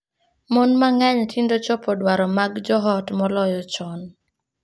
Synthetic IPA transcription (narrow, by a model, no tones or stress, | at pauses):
mɔnmaŋɛɲtʰindot͡ʃɔpɔdwaɾɔmaɡd͡ʒɔɦɔtmɔlɔjɔt͡ʃɔn